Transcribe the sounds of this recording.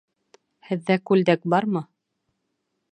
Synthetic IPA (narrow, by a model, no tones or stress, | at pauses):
hɘ̆ðːækʉld̪æk̚bɑɾmɤ